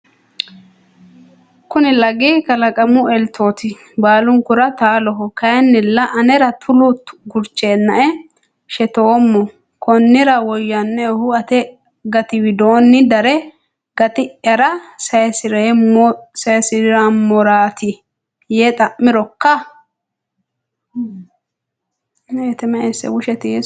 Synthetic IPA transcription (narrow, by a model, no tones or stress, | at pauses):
kʊnɪlɐɡikɐlɐkʼɐmʊɛlt̪ʰo̞ːt̪ɪ | baːlʊŋkʊɾɐt̪aːlɔɦɔkɐjɛnːɪlːɐʔɐnɛɾɐt̪ʰʊlʊt̪ɡʊɾt͡ʃːeːnːɐʔɛ | ʃɛt̪oːmːɔ | kʰɔnːɪɾɐwɔjːɐnːɛhʊɐt̪ɛ | ɡɐt̪ɪwɪd̪oːnːɪd̪ɐɾɛ | ɡɐt̪ɪʔjɐɾɐsɐjɛsɪɾe | sɐjsɪɾamːɔɾaːt̪ɪ | jeːt̪ʼɐʔːɪɾɔkːɐ | et̪ɛmɐesɛ̰wʊʃɛt̪ɪɛ